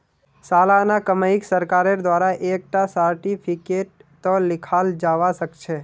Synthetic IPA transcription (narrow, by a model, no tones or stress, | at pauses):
salanakəməiksəɾkaɾəɾd̪ʋaɾaʔek̚ʈasəɾʈifʰikeʈ̚t̪olɪkʰald͡ʒaʋaʃəkʃʰe